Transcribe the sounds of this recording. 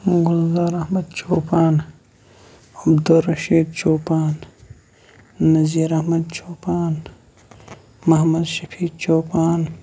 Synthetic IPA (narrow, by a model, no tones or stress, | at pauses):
ɡʊlzaːɾɐhmɐd̪t͡ʃʰoːpaːn | ɐbd̪uɾɐʃiːd̪̚t͡ʃoːpaːn | ɐziːɾɐhmɐd̪̚t͡ʃʰoːpaːn | mɐɦmɐd̪ʃɐfʰiːd̪̚t͡ʃoːpaːn